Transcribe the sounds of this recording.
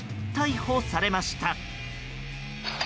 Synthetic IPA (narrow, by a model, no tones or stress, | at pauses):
t̪aihoːsaɾe̞maɕi̥t̪a